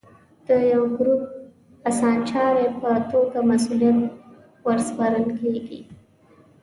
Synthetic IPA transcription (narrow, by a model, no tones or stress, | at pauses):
d̪̥əjawɡɾup̚ | asɑnt͡ʃɑɾepət̪oɡamasulijat̪ | wəɾspaɾəlkeɡḭ